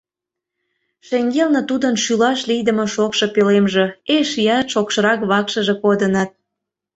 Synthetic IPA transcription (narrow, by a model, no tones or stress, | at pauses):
ʃeŋɡelnət̪ud̪ənʃylɑʃlijd̪əmoʃokʃŏpelemʒĕeʃjɑt̪ʃokʃɤɾɑkβɑkʃəʒĕkod̪ənɑt̪̚